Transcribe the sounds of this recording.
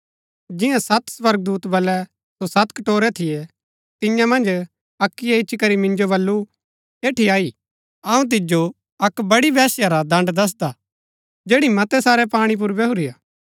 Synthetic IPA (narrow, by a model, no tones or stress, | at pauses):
d͡ʒɪ̃jãsɐt̪sʋɐɾɡ̚d̪uːt̪bɐlɛ | sosɐt̪kɐʈoːɾɛt̪ʰɪje | t̪ɪjãmɐ̃nd͡ʒ | ɐkːijaɪt͡ʃʰikɐɾimɪ̃nd͡ʒoβɐlːu | eːʈʰiaːi | ɐũt̪̬ɪd͡ʒo | ɐkbɐɽibɛːsjaɾad̪ɐ̃ɳɖd̪ɐs̬d̪a | d͡ʒeːɽimɐt̪ɛsaːɾɛpaːɽ̃ip̬ʊɾbɛɦʊɾijaː